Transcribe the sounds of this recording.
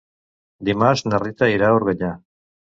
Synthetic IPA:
d̪imasnerit̪aiɾauɾɣeɲa

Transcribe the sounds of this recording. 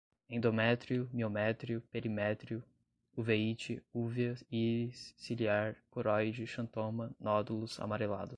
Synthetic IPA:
ẽd̪omɛt̪ɾiʊmiomɛt̪ɾiʊpeɾimɛt̪ɾiʊ | uveit͡ʃɪuvɐisiliaɾkoɾɔjd͡ʒɪʃɐ̃nt̪omɐnɔd̪ulʊza̰maɾela̰d̪ʊ

